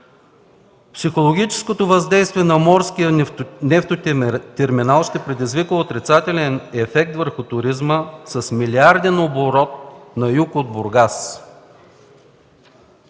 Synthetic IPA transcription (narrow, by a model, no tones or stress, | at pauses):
psixolˠoɡʲit͡ʃɛ̥skot̪ovɐzd̪ɛjst̪vʲiɛnɐmɔɾskijənɛft̪ot̪ɛɾminalˠʃt̪ɛpɾɛd̪izvikəot̪ɾit̪sat̪ɛlʲɛnɛfɛk̚t̪vəɾxʊt̪ʊɾizməsɐsmiliaɾd̪ɛnoboɾɔt̪̚nɐjukod̪̚bʊɾɡas